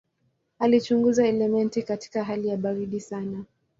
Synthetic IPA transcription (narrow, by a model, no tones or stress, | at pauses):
alit͡ʃuŋɡuzaɛlɛmɛntikati̥kaɦalijaɓaɾiɗisana